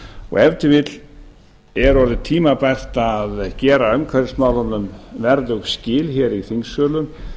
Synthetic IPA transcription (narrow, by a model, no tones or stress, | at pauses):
ɔ̰ɣɛvt̪ɪvɪt̪l | ɛɾɔɾðɪt̪ʰiːmapajr̥t̪aðcɛːɾaœmkʰvɛɾɪsmaːwlɔnnʏmvɛɾðœɣscɪːlçɛɾiθiŋsœːlʏm